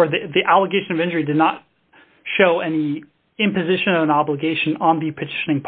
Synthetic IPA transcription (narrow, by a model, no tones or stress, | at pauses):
ə˞ðiðiʔælˠəɡeɪʃɨ̃nʌvɪ̃nd͡ʒə˞idɨdⁿnət̚ | ʃoʊɛni | ɪ̃mpɨzɪʃɨ̃nʌvə̃nɑbləɡeɪʃɨ̃nə̃nðipʰətʰɪ̥ʃnɪ̃ŋpʰ